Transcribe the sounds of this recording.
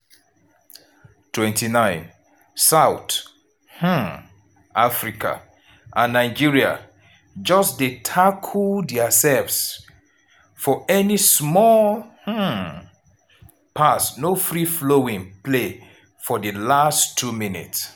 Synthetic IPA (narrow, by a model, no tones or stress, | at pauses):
tʰwɛ̃ntinãɪ̃n | saʊt | h̩ | ʔafɹikʰa̰ | ʔãnːaɪd͡ʒiɹia̰ | d͡ʒɔsdetʰakʰuldiasɛlvs | fɔɛnismɔlh̩ | pʰasnofɹifloĩŋple | fɔdəlastʰːuminḭts